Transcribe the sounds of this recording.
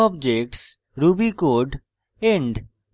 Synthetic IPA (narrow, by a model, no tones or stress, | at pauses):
ɔbd͡ʑek̚ʈs | ɾubikoɖ | eɳɖ